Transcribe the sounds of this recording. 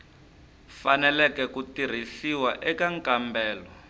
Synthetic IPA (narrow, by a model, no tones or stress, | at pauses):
fanɛlɛkɛkutir̤isiwaʔɛkaŋkambɛːlɔ